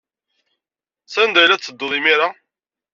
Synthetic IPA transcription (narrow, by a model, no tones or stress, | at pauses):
sænd̪æjlæt͡sːəd̪ːʊðˤimiɾa